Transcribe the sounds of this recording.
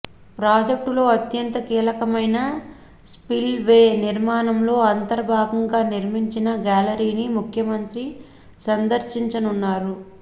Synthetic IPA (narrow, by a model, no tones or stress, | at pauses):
pɾaːd͡ʒek̚ʈulo̞ːɐt̪jɐnt̪ɐkiːlɐkɐmɐjnɐ | spilʋeːniɾmaːnɐmlo̞ːɐnt̪ɐɾɐbʱaːɡɐŋɡaːniɾmiɲt͡ʃinɐɡaːlɐɾiːnimukʰjɐmɐnt̪ɾi | sɐnd̪ɐɾʃiɲt͡ʃɐnunːaːɾu